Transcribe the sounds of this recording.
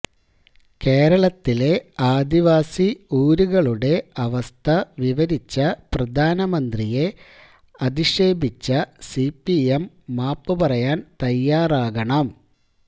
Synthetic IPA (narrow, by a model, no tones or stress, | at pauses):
ke̞ːɾɐɭɐt̪ːile̞aːd̪iʋaːsiuːɾuɣɐɭuɽe̞ɐʋɐst̪ʰɐʋiʋɐɾit͡ɕːɐprɐd̪ʱaːnɐmɐnd̪rije̞ | ɐd̪iʂe̞ːbʱit͡ɕːɐsipːiemː | aːpːɨpɐrɐjaːnt̪ɐjːaːraːɣɐɳɐm